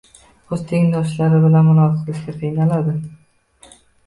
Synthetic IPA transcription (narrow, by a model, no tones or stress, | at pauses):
ʊzt̪ʰeŋd̪ɒʃlaɾɪbɪlanmʊnɒzɨqlɪʃkʲat̪ʰejnalad̪ɪ